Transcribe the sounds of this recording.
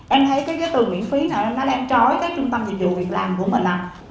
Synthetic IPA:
ʔɛ˧mt̪ʰə˨˦jkaː˨˦jzə˨˦jt̪ɨ˨˩ŋwḭ˧˨ənfi˨˦naː˨˩wʔɛ˧mnɗɔ˨˦lːaː˨ʔɛ˧mt͡ɕɔ˨˦jkaː˨˦˥k̚t͡ɕʊ˧ŋ͡mt̪ə˧mɲi˨˩t̚zṵ˧˨vi˨˩ək̚laː˨˩mku˧˩əmï˨˩ŋ̟ʔa˨˩

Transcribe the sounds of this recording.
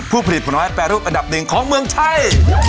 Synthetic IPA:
pʰuː˥˩pʰa˧˩li˩t̪̚pʰɔ˨˩nmaː˨˦˥jpɛː˨˩ɾuː˥˩pʔa˧nda˨˩p̚nɯ˧əŋkʰɔː˨˦ŋmɯ˧əŋt̪ʰa˧j

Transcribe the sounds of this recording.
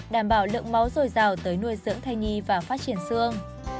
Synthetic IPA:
ɗaː˧˩mɓaː˧˩wlɨ̰˧˨əŋma˨˦wzo˨˩jzaː˨˩wt̪əː˨˦jnu˧əjzɨ̰˧˥əŋt̪ʰa˧jɲi˧vaː˨˩faː˦˥t͡ɕi˧˩ənsɨ˧əŋ

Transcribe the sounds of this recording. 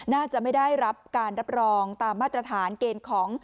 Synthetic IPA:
naː˥˩t͡ɕa˨˩ʔma˥˩jda˥˩jɾa˦˥p̚kaː˧nɾa˦˥p̚ɾɔː˧ŋt̪aː˧mːaː˥˩t̪ɾa˧t̪ʰaː˩˦nkeː˧nkʰɔː˩˦ŋ

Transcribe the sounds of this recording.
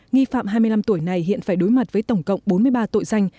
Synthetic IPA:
ŋi˧fa̰ː˧˨mɦaː˧jmɨ˧jla˧mt̪u˧˩əjna˨˩jhḭ˧˨ənfaː˧˩jɗo˨˦jma˨˩t̚vəː˨˦jt̪ə˧˩wŋ͡mkə̰˧˨wŋ͡mɓo˨˦nmɨ˧əjɓaː˧t̪o̰˧˨jza˧jŋ̟

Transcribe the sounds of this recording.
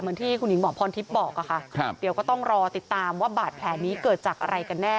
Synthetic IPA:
mɯ˧˦nt̪ʰiː˥˩kʰu˧nji˨˩˦ŋmɔː˨˩˦pʰɔː˧nt̪ʰi˦˥p̚bɔː˨˩k̚ʔa˨˩kʰa˥˩˧di˨˦əwkɔː˥˩t̪ɔ˥˩ŋɾɔː˧t̪i˨˩t̪ːaː˧mwaː˥˩baː˨˩t̪̚pʰlɛː˨˩˦nːiː˦˥kɤː˨˩t̪̚t͡ɕaː˨˩k̚ʔa̰˧ɾa˧jka˧nːɛː˥˩

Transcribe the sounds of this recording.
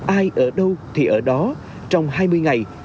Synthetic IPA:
ʔaː˧jʔəː˧˩ɗə˧wt̪ʰi˨˩ʔəː˧˩ɗɔ˨˦ | t͡ɕɔ˧wŋ͡mhaː˧jmɨ˧jŋa˨˩j

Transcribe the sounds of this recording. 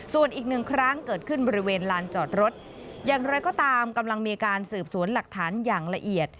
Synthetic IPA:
su˨˩ənʔiː˨˩k̚nɯ˨˩ŋkʰɾa˦˥ŋkɤː˨˩t̪̚kʰɯ˥˩nbɔː˧ɾi˦˥weː˧nlaː˧nt͡ɕɔː˨˩t̪̚ɾo˦˥t̪̚ | jaː˨˩ŋɾɔː˧˦jkɔː˥˩t̪aː˧mka˧mla˧ŋmiː˧kaː˧nsɯː˨˩p̚su˩˦ənla˨˩k̚t̪ʰaː˩˦njaː˨˩ŋla˧ʔi˨˩ət̪̚

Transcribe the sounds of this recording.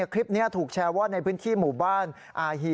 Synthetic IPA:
kʰɾi˦˥p̚ni˦˥ɐt̪ʰuː˨˩k̚t͡ɕʰɛː˧waː˥˩na˧jpʰɯ˦˥nt̪ʰiː˥˩muː˨˩baː˥˩n | ʔaː˧ɦi˧

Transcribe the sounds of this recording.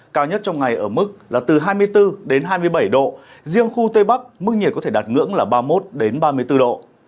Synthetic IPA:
kaː˧wɲə˦˥t̚t͡ɕɔ˧wŋ͡mŋa˨˩jʔəː˧˩mɨ˦˥k̚laː˨˩t̪ɨ˨˩ɦaː˧jmɨ˧əjt̪ɨ˧ɗe˨˦nɦaː˧jmɨ˧əjɓə˧˩jɗo̰˧˨ | zi˧əŋxu˧t̪we˧ɓa˦˥k̚mɨ˦˥k̚ɲi˨˩kɔ˦e˧˩ɗaː˨˩t̚ŋɨ̰˧˥əŋlaː˨˩ɓaː˧mo˦˥t̚ɗe˨˦nɓaː˧mɨ˧əjt̪ɨ˧ɗo̰˧˨

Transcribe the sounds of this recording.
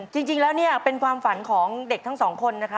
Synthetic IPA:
t͡ɕi˧ŋt͡ɕi˧ŋlɛː˦˥wni˥˩ɐpe˧nkʰwaː˧mfa˩˦nkʰɔː˩˦ŋde˨˩k̚t̪ʰa˦˥ŋsɔː˩˦ŋkʰo˧nːa˦˥kʰɾa˦˥

